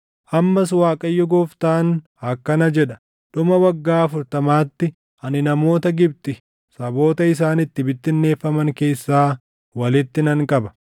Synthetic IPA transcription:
ʔɐmːɐs̬waːkʼɐjːɔɡoːft̪aːn | hɐkːɐnɐd͡ʒɛᶑɐ | ᶑʊmɐwɐɡːaːɐfʊɾt̪ɐmaːt̪ːɪ | ʔɐnɪnɐmo̞ːt̪ɐɡɪb̚t̪ɪ | sɐbo̞ːt̪ɐɪs̬aːnɪt̪ːɪbɪt̪ːɪnːe̞ːfːɐmɐŋke̞ːsːaː | wɐlɪt̪ːɪnɐŋkʼɐbɐ̥

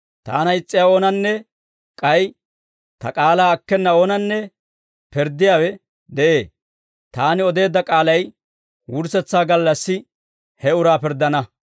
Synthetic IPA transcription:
t̪a̰ːnɐɪt͡sʼːɪjaːo̞ːnɐnːɛ | kʼɐj | t̪ɐ̰kʼaːlaːɐkːɛnːɐoːnɐnːɛ | pɪɾd̪ɪjaːwɛ | d̪ɛʔe̞ː | t̪aːnɪɔd̪e̞ːd̪ɐkʼaːlɐj | wʊɾsɛt͡sːaːɡɐlːɐsːɪ | hɛʊɾaːpɪɾd̪ɐnɐ

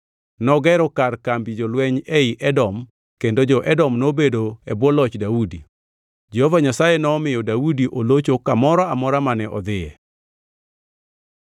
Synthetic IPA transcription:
nɔɡɛɾɔkarkambid͡ʒɔlwɛɲɛɪʔɛdɔm | kendod͡ʒɔʔɛdɔmnobedoɛbwɔlɔt͡ʃdaudi | d͡ʒɛhovaɲasajenɔmɪjɔdawudiʔolot͡ʃokamɔɾɔamɔɾamanɛʔɔ̰d̪ɪjɛ

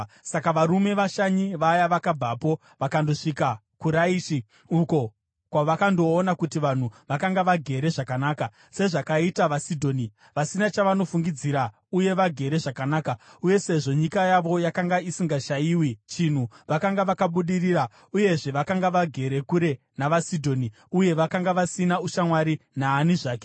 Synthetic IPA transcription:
sakaʋaɾume̞ʋaʃaɲiʋajaʋakab͡vapo̞ | ʋakando̞ʂika | kuɾaiːʃi | uko̞ | kwaʋakando̞ːnakutiʋan̤uʋakaŋɡaʋaɡʱe̞ɾe̞ʐakanaːka | se̞ʐakaitaʋasidʱo̞ːni | ʋasinat͡ʃaʋano̞fuŋɡid͡ziɾa | uje̞ʋaɡʱe̞ɾe̞ʐakanaːkauje̞se̞ʐo̞ɲikajaʋo̞jakaŋɡaisiŋɡaʃaiːwit͡ʃin̤uʋakaŋɡaʋakaɓuɗiriːra | uje̞ʐe̞ʋakaŋɡaʋaɡʱe̞ɾe̞kuɾe̞ | naʋasidʱo̞ːni | uje̞ʋakaŋɡaʋasinauʃamwaɾinaːniʐaːke̞̥

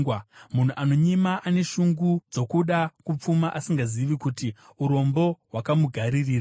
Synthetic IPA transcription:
wamun̤uʔano̞ɲimaʔane̞ʃuŋɡud͡zo̞kuɗakup͡fumaʔasiŋɡaziʋikuti | uɾo̞mbo̞ɦwakamuɡʱaɾiriːra

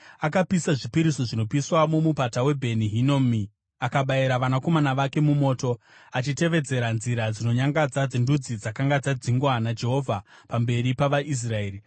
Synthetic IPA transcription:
akapisaʐipiɾisoʐino̞piswamomupatawe̞bʱe̞niɦinomi | akaɓaiɾaʋanako̞manaʋake̞mumo̞ːto̞ | at͡ʃite̞ʋe̞d͡ze̞ɾanziɾad͡zino̞ɲaŋɡad͡zad͡zendud͡zid͡zakaŋɡad͡zad͡ziŋɡwanad͡ʒe̞ɦo̞vʱa | pambe̞ɾipaʋaʔis̬raeːri

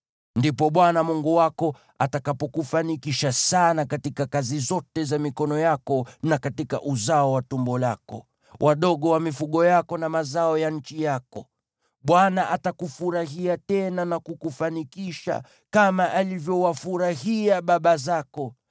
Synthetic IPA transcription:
ndipɔɓwanamuŋɡuwakɔ | atakapɔkufanikiʃasanakatikakazizɔtɛzamikɔnɔjakɔnakatika̰ʔuzaɔwatumbɔlakɔ̰ | wʔaɗɔɠɔwamifuɠɔjakɔnamazaɔjan̩t͡ʃijakɔ | ɓwanaʔatakufuɾaɦiatɛnanakukufanikiʃa̰ | kamaʔalivjɔwafuɾaɦiaɓaɓazakɔ

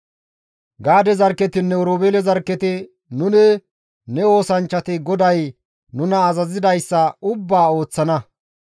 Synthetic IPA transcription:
ɡaːd̪ɛzɐɾkːɛt̪ɪnːɛɔɾoːbeːlɛzɐɾkːɛt̪ɪ | nʊnɛ | nɛo̞ːsɐnt͡ʃːɐt̪ɪɡɔd̪ɐj | nʊnɐːzɐzɪd̪ɐjsːɐʊbːaːo̞ːt͡sːɐnɐ

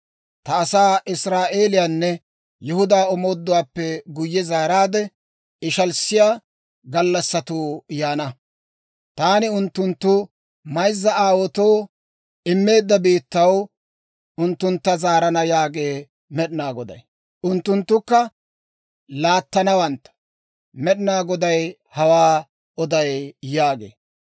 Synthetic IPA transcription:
t̪ɐːsaːʔɪsɾaːʔe̞ːlɪjaːnːɛ | jʊhʊd̪aːɔmo̞ːd̪ːʊwaːpːɛɡʊjːɛzaːɾaːd̪ɛ | ɪʃɐlsːɪjaː | ɡɐlːɐsːɐt̪uːjaːnɐ | t̪aːnɪʊnt̪ːʊnt̪ːʊ | mɐjzːɐaːwɔt̪o̞ː | ɪmːe̞ːd̪ːɐbiːt̪ːɐw | ʊnt̪ːʊnt̪ːɐzaːɾɐnɐjaːɡeː | mɛɗɪnaːɡɔd̪ɐ̰j | ʊnt̪ːʊnt̪ːʊkːɐ | laːt̪ːɐnɐwɐnt̪ːɐ̥ | mɛɗɪnaːɡɔd̪ɐj | hɐwaː | ɔd̪ɐjjaːɡḛː

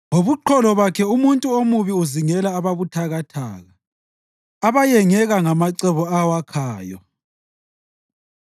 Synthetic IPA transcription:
ŋoβuǃʰɔlɔβakʰɛumuntʼuomuβiuziŋɛlaːβaβutʰaɣatʰa̰ːɣaː | βajɛŋɛɣaŋamaǀɛβɔawakʰaːjɔ̰

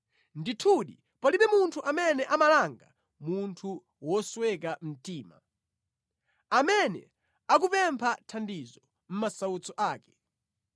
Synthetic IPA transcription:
nditʰuɗi | paliɓɛmuntʰuʔamɛnɛʔamalaŋɡa̰ | muntʰu | wɔswɛkam̩tiːma̰ | amɛnɛ̰ | ak̬upɛmpʰatʰandizɔ | m̩masaut͡sɔʔaːkɛ̥

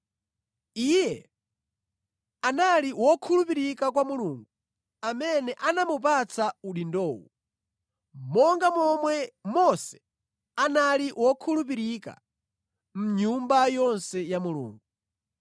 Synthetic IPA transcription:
ijɛ | analiwɔkʰulupiɾikak̬wamuluːŋɡu | amɛnɛʔanamup̬at͡sʰauɗindɔːwṵ | mɔŋɡamɔmwɛmɔsɛ̥ | analiwɔkʰulupiɾika̰ | m̩ɲumbajɔnsɛjamulṵːŋɡu

